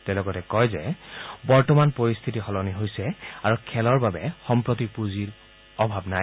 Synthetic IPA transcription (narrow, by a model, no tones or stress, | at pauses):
tɛlɔɡɔtɛkɔjzɛ̰bɔɹtɔmanpoɹist̪ʰitixɔlɔniɦojsɛaɹukʰɛlɔɹbabɛxɔmpɹotipuziɹ | ɔbʱabna